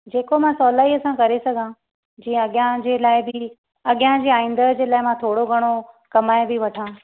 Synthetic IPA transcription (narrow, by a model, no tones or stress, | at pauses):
d͡ʑeːkomãsɔːlaːiɐsãkɐɾesɐɡʱã | d͡ʑĩːə̃ɐɠɪjãd͡ʑeːlaːɪbɪ | ɐɠɪjãd͡ʑiːaːĩːn̆d̪əd͡ʑeːlaːɪmãt̪ʰoːɽoɡʱɐɽ̃o | kɐmaːebʱɪʋɐʈʰãː